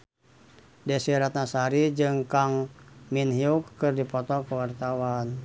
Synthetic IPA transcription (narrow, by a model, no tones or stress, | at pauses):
dɛsiɾat̪̚nasaɾid͡ʒɨŋkaŋminɦiukːɨrdipɔt̪ɔkəwart̪awan